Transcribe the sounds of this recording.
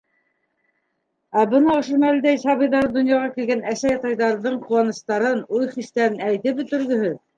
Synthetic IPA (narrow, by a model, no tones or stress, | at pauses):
æbɤnɑŏʃomæld̪æjsɑβɤjðɑɾd̪ŏnjɑʁɑkilɡænæsæjɑt̪ɑjðɑɾðɤɴquwɑnɤ̆st̪ɑɾɤnujχist̪æɾɘnæjt̪ɘpbɵ̆t̪ɵ̆ɾðɵ̆hɵð